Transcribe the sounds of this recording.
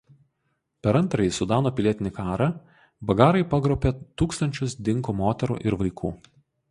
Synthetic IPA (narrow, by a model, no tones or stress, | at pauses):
pʲɛɾɐnˑt̪ɾɐjisʊd̪ɑːnoːpʲɪlʲiɛt̪ʲɪnʲɪkɑːɾɐ | bɐɡɑːɾɐɪpɐɡɾɔʊpʲeːt̪uːkst̪ɐnʲt͡ʃʲʊsd̪ʲɪŋkoːmoːt̪ʲɛɾṵːʔɪɾʋɐɪkʰuː